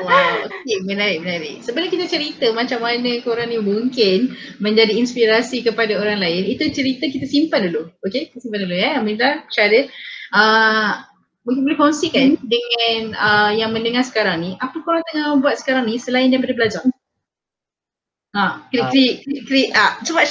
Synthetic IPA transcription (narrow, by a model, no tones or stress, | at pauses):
aokemənaɾɪʔ̚mənaɾɪʔsəbənakit̪at͡ʃəɾit̪əmat͡ʃamːanə̃koɾaŋnimuŋkɪn | mə̃ɲd͡ʒadiːnspiɾasikəpadaoɾaŋlaɪnit̪ut͡ʃəɾit̪ək̬it̪asimpanduluokekit̪asimpanduluaamĩnlaʃaɾəʔə | mũŋk̬ɪnbolɛhkonsikandəŋãnəjaŋmə̃nəŋaɾsə̥kaɾaŋniʔapəkoɾaŋt̪əŋabuat̪̚sə̥kaɾaŋnisəlaɪndiãmpadabəlad͡ʒa | akɾikɾiʔkɾiʔkɾiʔasəba